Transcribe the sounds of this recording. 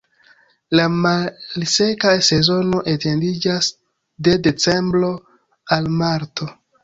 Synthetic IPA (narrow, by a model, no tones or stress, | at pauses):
lamalse̞kase̞zo̞no̞ʔete̞ndid͡ʒas | de̞de̞t͡se̞mbɾo̞ | almaɾto̞